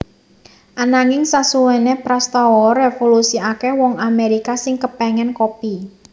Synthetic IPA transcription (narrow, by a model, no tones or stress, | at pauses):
ʔanaŋɪŋsasuwɛnepɾast̪ɔwɔɾefolusiakewɔŋameɾikasɪŋkəpɛŋɛnkopi